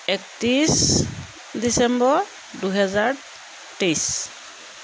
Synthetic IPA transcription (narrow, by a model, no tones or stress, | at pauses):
ɛktis | disɛmbɔɹ | duɦɛzaɹ | tejs